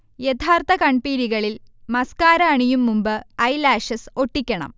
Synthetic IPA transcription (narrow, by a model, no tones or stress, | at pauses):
jet̪ʰaːrt̪ɐkɐɳpiːɾiɣɐɭilmɐskaːɾɐːɳijumːumbɨɐjlaːʂɐsoʈːikʲːɐɳɐ̰m